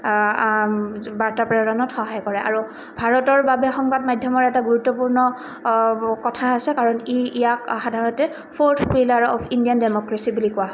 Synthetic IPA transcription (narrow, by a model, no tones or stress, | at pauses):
baɹtapɹɛdɔnɔtxɔɦajkɔɹɛʔa̰ɹu | bʱaɹɔtɔɹbabɛxɔŋbadmajdʱjɔmɔɹɛtaɡuɹutːɔpuɹnɔ | kɔtʰaːsɛkaɹɔniijakxadʱaɹɔntɛ | pʰoɹtʰpilaɹɔ̰pʰindijandemɔkɹasibulikʊwaɦɔ